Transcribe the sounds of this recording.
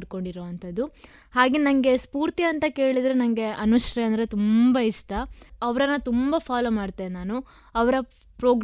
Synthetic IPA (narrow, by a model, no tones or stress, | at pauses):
ɖko̞ɳɖiɾoʋɐnt̪ʰɐd̪ːu | haːɡenɐŋɡe̞spuːɾt̪iɐnt̪ɐke̞ːɭid̪ɾenɐŋɡe̞ʔɐnuʃɾeɐnd̪ɐɾe̞t̪umbɐiʂʈɐɐʋɾɐnːɐt̪umbɐpʰaːloːmaːɽt̪ːenaːnu | ɐʋɐɾɐ | pɾoːɡ